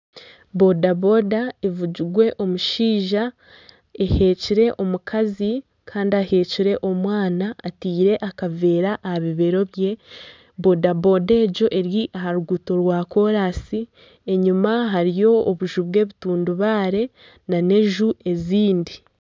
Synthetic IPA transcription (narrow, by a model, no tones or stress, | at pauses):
bo̞dabo̞dae̞vuɟiɾɡwe̞ʔo̞muʃiːʒa | e̞he̞ːciɾe̞ʔo̞mukʰazi | kʰaːndiahe̞ːciɾe̞ʔo̞mwaːnaːtiːɾe̞ʔakave̞ːɾaʔːhaβiβe̞ɾo̞βje̞ | bo̞dabo̞de̞ːɟo̞ʔe̞ɾiʔaɦaɾuɡuto̞ɾwaːko̞ɾaːsi | e̞ɲumaɦaɾijo̞ːβuʒuβwe̞ːβituːnduβaːɾe̞ | nane̞ʒue̞ziːndi